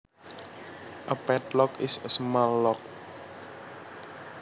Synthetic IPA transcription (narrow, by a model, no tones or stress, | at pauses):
ʔəpɛt̪̚lɔkɪsəsmallːɔk̚